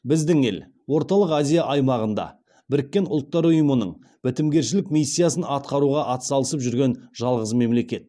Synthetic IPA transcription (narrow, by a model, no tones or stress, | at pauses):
bɪzd̪ɪŋe̞̰l | wo̞ɾt̪ɑlˠəqazʲijaʔɑjmɑʁənd̪ɑ̰ | bɪɾɪkʲːe̞nʊlˠt̪ːɑɾʊjəmənə̰ɴ | b̥ɪt̪ɪmɡʲe̞ɾʃɪlɪkmʲijsʲːijasənɑt̪̚qɑɾuʁɑʔɑt̪sɑlˠəsəpʒʏɾɡʲe̞nʒ̥ɑlˠʁəzme̞mle̞kʲe̞t̪̚